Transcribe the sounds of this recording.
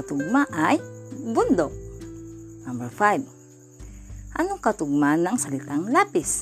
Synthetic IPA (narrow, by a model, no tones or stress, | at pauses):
at̪ʊɡ̚maʔajbund̪ok̚ | nambɛɹfajb | ʔanokat̪ʊɡ̚manaŋsalit̪aŋlapis